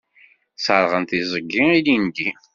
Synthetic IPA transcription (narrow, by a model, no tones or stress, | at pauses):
sˤəɾˤʁənt̪izˤəɡːiilind̪i